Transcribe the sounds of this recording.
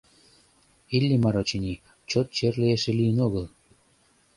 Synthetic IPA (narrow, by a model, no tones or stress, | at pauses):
ilʲːimɑɾot͡ɕinʲi | t͡ɕot̪̚t͡ɕerlʲeeʃĕlijənoɣɤ̆lˠ